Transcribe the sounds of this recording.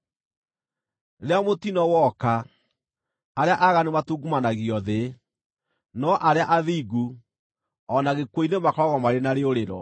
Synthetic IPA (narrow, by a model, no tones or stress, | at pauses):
ɾeamotinɔwɔka | ɾeaʔaɣanematuɡumanaɣiɔðe | nɔʔaɾeaʔaðiːɡu | ɔnaɣekwoinemakɔɣɔmaɾenaɾeoɾeɾɔ̰